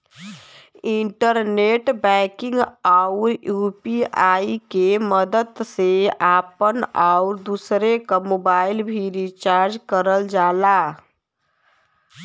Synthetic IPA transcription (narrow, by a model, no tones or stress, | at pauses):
ɪɳʈəɾneʈbɛ̃kɪ̃ŋɡaʊɾjuːpiaːikeməd̪əd̪seaːpənaʊɾd̪usɾekamoːbaːɪlbʱiɾit͡ʃaɾd͡ʒkəɾəld͡ʒaːla